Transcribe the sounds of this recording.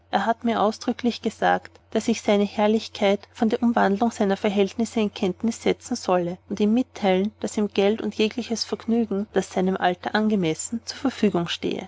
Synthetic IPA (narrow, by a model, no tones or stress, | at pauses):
ʔeːɐɦatmiːɐʔaʊsd̥ʁʏkʰlɪçɡ̥əz̥a̰ːktd̥asɪçsaɪnəhɛɐlɪçkʰaɪtfɔndeːɐʔʊmvandlʊŋz̥aɪnɐfɛɐɦɛltnɪsəɪnkʰɛntnɪsːɛt͡sn̩z̥ɔləʊntiːmːɪtʰːaɪlənd̥asiːmɡ̥ɛltʊntjeːklɪçəsfɛɐɡnyːɡŋ̩d̥asz̥aɪnəmʔaltɐʔanɡəmɛsn̩t͡suːɐfɛɐfyːɡʊŋʃtḛːə̰